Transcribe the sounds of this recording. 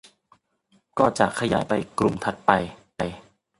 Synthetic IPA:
kɔː˥˩t͡ɕa̰˨˩ʔkʰːa˧jaː˩˦jpa˧jkɾu˧˩mt̪ʰa˨˧˩t̪̚pa˧j | a˧j

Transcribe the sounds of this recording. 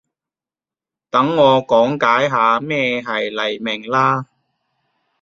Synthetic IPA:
t̪ɐ˨˥ŋːɔː˨˧kɔː˨˥ŋkaː˨˥jɦaː˨˧mɛː˥˧ɦɐ˨jlɐ˨˩jmɪ˨˩ŋlaː˥

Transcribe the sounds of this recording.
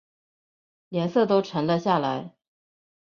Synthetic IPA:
ljɛ˧˥nsɤ˥˩t̪o˥ʊʈ͡ʂʰə˧˥ŋlə˧ɕja˥˩la˧˥ɪ

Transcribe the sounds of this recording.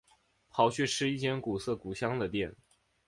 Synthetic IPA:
pʰɑ˧˥ʊɕɥɛ˥˩ʈ͡ʂʰɻ̩˥˧i˥˩t͡ɕjɛ˥nku˨˩sɤ˥˩ku˨˩ɕjɑ˥ŋd̪ə˨t̪jɛ˥˩n

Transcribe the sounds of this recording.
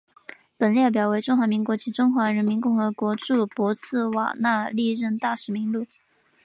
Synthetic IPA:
pə˨˩nljɛ˥˩pjɑ˨˩ʊwe˧˥ɪʈ͡ʂʊ˥ŋxwa˧˥mi˧˥ŋkwɔ˧˥t͡ɕʰi˧˥ʈ͡ʂʊ˥ŋxwa˧˥ɻə˧˥nmi˧˥nkʊ˥˩ŋxɤ˧˥kwɔ˧˥ʈ͡ʂu˥˩kwɔ˧˥t͡sʰɹ̩˥˩wa̰˨˩na˥˧li˥˧ɻə˥˧nt̪a˥˩ʂɻ̩˧˥mi˧˥ŋlu˥˩

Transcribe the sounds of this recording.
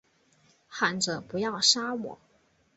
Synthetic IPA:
xa˧˩nʈ͡ʂɤ˨˩˦pu˧˥jɑ˥˩ʊʂa˥wɔ̰˨˩˦

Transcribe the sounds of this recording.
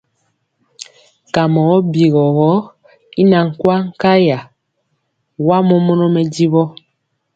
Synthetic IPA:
ka˨mɔ˨ɣɔ˦bi˨ɣɔ˨ɣɔ˦ | i˦na˨ŋ̩˨kwa˦ŋ̩˦ka˦ja˨ | wa˦mɔ˦mɔ˦nɔ˦mɛ˦di˦βɔ˦

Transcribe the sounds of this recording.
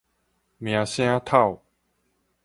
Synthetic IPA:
mj̃ã˨˧ɕj̃ã˦t̪ʰa˥˨w

